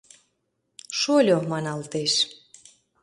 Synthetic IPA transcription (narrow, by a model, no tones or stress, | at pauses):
ʃolʲomɑnɑlt̪eʃ